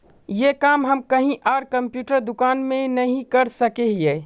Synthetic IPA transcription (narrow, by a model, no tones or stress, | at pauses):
jekaːmɦɐmkɐɦĩʔaːɾkɐ̃mpjuːʈəɾd̪ʊkaːnmẽnɐɦĩkɐɾsəkeɦjeː